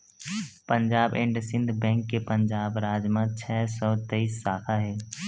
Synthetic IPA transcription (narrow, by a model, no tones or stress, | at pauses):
pə̃nd͡ʒaːbẽːɳɖsɪ̃nd̪ʱbɛ̃ːŋkːepənd͡ʒaːbɾaːd͡ʒmãt͡ʃʰɛːsɔːt̪eisːaːkʰaɦɛː